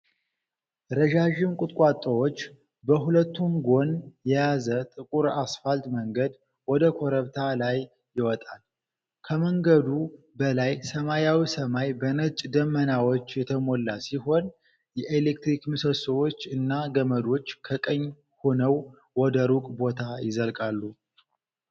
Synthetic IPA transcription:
ɾəʒaʒɪmkʼʊt̪ʼkʼat̪ʼːəwot͡ʃː | bəɦulət̪ːumɡo̞njɛjazət̪ʼɨkʼuɾasfalt̪məŋɡəd̪ | wɔd̪əkʰo̞ɾəβt̪ʰalajː | ɪwɔt̪ʼal | kʰəməŋɡəd̪u | bəlajsəmajawisəmajbənət͡ʃʼd̪əmːənawo̞t͡ʃːjɛt̪ʰəmo̞lːasiɦo̞n | jɛʔelek̚t̪ɾikmɨsəsəwot͡ʃːɨnːaɡəməd̪o̞t͡ʃːkʰəkʼəɲː | honəw | wɔd̪əɾukʼbo̞t̪ʰajɪzəlkʼalːu

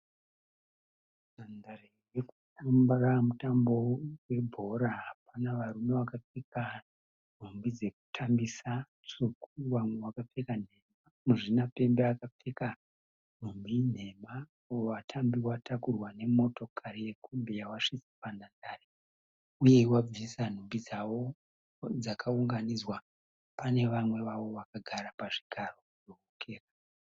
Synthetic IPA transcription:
nandarewekutumbramutambo̞we̞bʱo̞ɾaɦapanaʋaɾume̞ʋakafeka | n̤ʱumbid͡ze̞ku̥tʰambisa | t͡sukuwamwe̞wakap͡fekan̤e̞ma | muʐinape̞mbeakap͡feka | n̤umbin̤e̞ma | watʰambiwatʰakurwane̞mo̞to̞kʰaɾije̞kʰumbejawaʂit͡sipandandaːɾe | uje̞wab͡visan̤umbid͡zawo̞ | d͡zakʰauŋɡanid͡zwa | pane̞ʋamwe̞ʋawo̞ʋakaɡʱaɾapaʐiɡʱaro̞ | ookʰe̞ːra

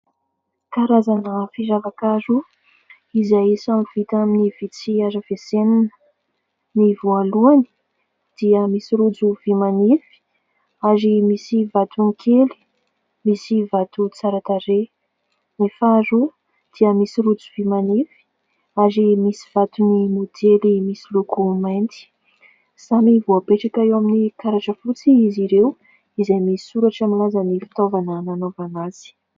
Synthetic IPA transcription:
kaɾazanəfiʒavakaɾu | izajsamv̥it̪aminivit͡siaɾəveseninə̥ | nivualuani̥ | d̪̥iəmisiɾud͡zuvimanifi̥ | aɾimisivat̪uŋikʰeli̥ | misivat̪ut͡saɾat̪aɾe | nefaɾu | d̪̥iəmisiɾut͡suvimanifi̥ | aɾimisi̥v̥at̪unimod̪elimisilukumajnt̪i̥ | z̥amivoapeʈ͡ʂakaewaminikaɾaʈ͡ʂəfut͡siiziɾew | izejmisi̥suɾaʈ͡ʂamilazanifi̥t̪ovanananovanaz̥i̥

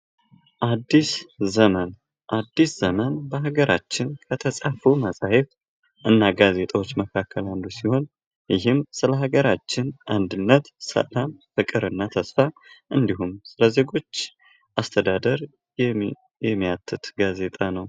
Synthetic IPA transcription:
ʔad̪ːiszəmən | ʔad̪ːisz̥əmənbəɦaɡəɾʔa̰t͡ʃːɪnkʰət̪ʰəsʼafuməsʼahef | ʔɨnːaɡaze̞t̪ʼawo̞t͡ʃːməkʰakʰːəland̪usiho̞n | jɪɦɨmsɨləɦaɡəɾat͡ʃːɪnʔand̪ɨnːət̪sə̰lamfɨkʼɨɾɨnːat̪ʰəsfaʔɨnd̪iɦumsɨləze̞ɡo̞t͡ʃː | ʔast̪ʰəd̪ad̪əɾ | jɛmːijat̪ʰːɨt̪ɡaze̞t̪ʼanəw

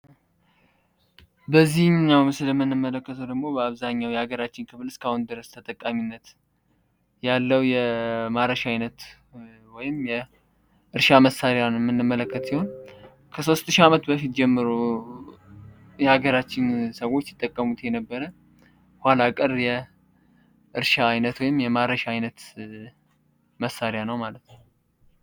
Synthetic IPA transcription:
bəzːihmɲawmɨsɨləmːɨnːɨmːələkːət̪ʰəwd̪əɡmo̞bəaβzaɲːawjɛhaɡəɾat͡ʃːɪnkʰɨβɨlɨskʰahund̪ɨɾəst̪ʰət̪ʼəkʼːaminːət̪ | jalːəwjɛmaɾəʃaajnət̪ | wɔjɪmjɛ | ʔɨɾʃaməsːaɾjanjmːɨnːɨmːələkːət̪siho̞n | kʰəso̞st̪ɨʃiamət̪bəfit̪̚d͡ʒɛmːɨɾu | jɛhaɡəɾat͡ʃːɪnsəwo̞t͡ʃːjɪt̪ʼːəkʼːəmut̪jɛnəbːəɾə | hʷalakʼɨɾjɛ | ʔɨɾʃaːjnət̪wɔjɪmjɛmaɾəʃaajnət̪ | məsːaɾjanəwmalət̪nəw

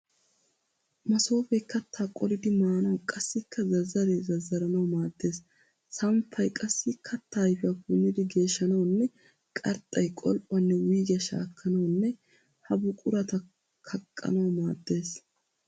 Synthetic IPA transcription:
mɐso̞ːfɛjkːɐt̪ʰːaːkʼɔɾɪd̪ɪmaːnɐwkʼɐsːɪkʰːɐzɐzːɐɾezɐzːɐɾɐnɐwmaːd̪ːe̞ːs | sɐmpʰːɐjkʼɐsːɪkʰɐt̪ʰːaːjfɪjɐkʊnːɪd̪ɪɡe̞ːʃːɐnɐwnːɛ | kʼɐɾt̪ʼːɐjkʼɔlpʼːɐnːɛwiːɡɪjɐʃa̰ːkʰːɐnɐwnːɛ | hɐbʊkʼʊɾɐt̪ɐ | kʰɐkʼːɐ̰nɐwmaːd̪ːe̞ːs

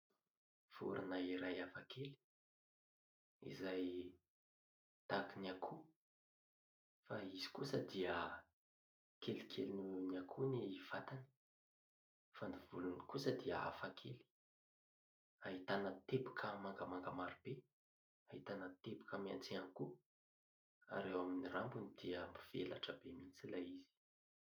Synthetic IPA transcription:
v̥ṵɾʔa̰naiɾajafakʰeli̥ | ḭzaj | t̪akinakʰu | faizi̥kusəd̪iə | kʰelikʰelininiakʰuneiv̥at̪ani̥ | fand̪ivulunikusəd̪iaa̰fakʰeli̥ | aɦit̪anət̪ebakʰəmaŋɡamaŋɡamaɾib̥e | aɦit̪anət̪ebakəmia̰nt͡sianiku | a̰ɾewaminirambunid̪̥iəmiv̥ḛla̰ʈ͡ʂəbemint͡silajiz̥i̥

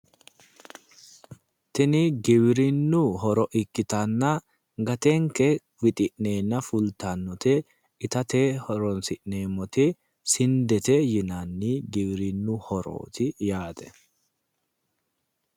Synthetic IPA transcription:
t̪ɪnɪɡɪbɾɪnːʊɦɔɾɔʔɪkːɪt̪ɐnːɐ | ɡɐt̪ɛŋkɛ | wɪt̪ʼɪʔneːnːɐfʊlt̪anːɔt̪e | ɪt̪ɐt̪eːhɔɾɔnsɪʔne̞ːmɔt̪ɛ | sɪnd̪ɛt̪ɛjɪnanːiːɡɪbɾɪnːʊhɔɾo̰ːt̪ɪjaːt̪ɛ̥

